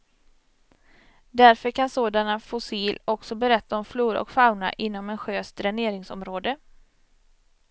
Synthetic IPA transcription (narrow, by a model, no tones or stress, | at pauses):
d̪æɾfœɾkʰansoːd̪anafʊsiːlɔksɔbɛɾɛt̪ʰːaɔmfluːɾɔ̰kfaʊna̰ʔɪnːɔmɛnɧøːst̪ɾæɳeːɾɪŋsɔ̰mɾoːd̪ə